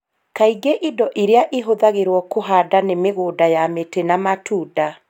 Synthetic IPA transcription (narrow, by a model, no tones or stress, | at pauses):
kaiɡeʔidɔʔiɾeaʔeɦoðaɣeɾwɔkoɦadanemeɣoːdajametenamatʰuːda